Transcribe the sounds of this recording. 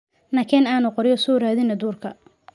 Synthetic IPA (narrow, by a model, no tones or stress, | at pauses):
nɐkʰɛnaːnʊqɔɾjɔsuːɾaːðɪnɐd̪uːrkʰɐ